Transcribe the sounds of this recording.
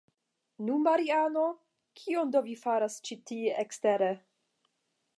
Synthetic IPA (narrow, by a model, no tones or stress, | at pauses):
nunmaɾiano | kʰiondovifaɾast͡ʃitieʔeksteɾe